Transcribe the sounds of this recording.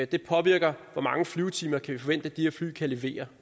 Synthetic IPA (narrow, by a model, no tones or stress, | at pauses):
d̥e̝pʰɒ̽ʋiɐɡ̥ɐʋɒmɑ̈ŋəflyʊt͡sʰiːmɐkʰæʋifɒʋen̰d̥əd̥iheɐfly̰ːkʰæle̝ʋe̝̰ːɐ